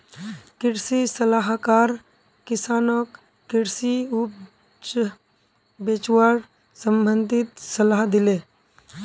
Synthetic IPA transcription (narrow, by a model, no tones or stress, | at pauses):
kɪɽsisɐlaɦkaːɾ | kɪsaːnɔk | kɪɽsiup | t͡ʃ | beːt͡ʃwaːɽ | sə̃mbənd̪ʱɪt̪sɐlaːɦd̪ɪleː